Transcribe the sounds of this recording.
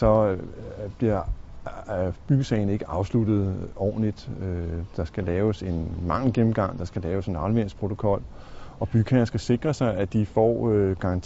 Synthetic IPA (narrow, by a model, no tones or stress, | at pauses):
sɒ̽ | b̥liɐ̰ | b̥yɡ̥əsɛɪn̩e̝ɡ̥əʔɑ̈ʊslud̥ð̞̩ˠɒ̰ːn̩lid̥ød̥ɑ̈sɡ̥ælɛːʊse̝nmɑ̈ŋ̰l̩ɡ̥emm̩ɡ̥ɑ̈ŋ̰d̥ɑ̈sɡ̥ælɛːʊse̝nɑ̈ʊlʋen̰spʰʁo̝t͡sʰo̝̥kʰɒ̽l̰ | ɒ̽b̥yɡ̥ʰænsɡ̥æse̝ɡ̥ʁɐsɑ̈ɪæd̥ifɒ̰ːɡ̥ɑ̈ɑnt͡sʰ